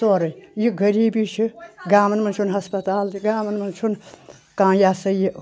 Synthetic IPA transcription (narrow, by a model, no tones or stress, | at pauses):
soɾɐjjiɡəɾiːbit͡ʃʰiɡaːmɐnmɐnt͡ʃʰunɦɐspɐt̪aːld̪iɡaːmɐnmɐnt͡ʃʰun | kãːjasɐji